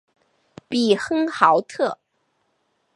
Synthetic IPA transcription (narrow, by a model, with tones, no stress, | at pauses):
pi˨˩xɤ˥ŋxɑ˧˥ʊt̪ʰɤ˥˩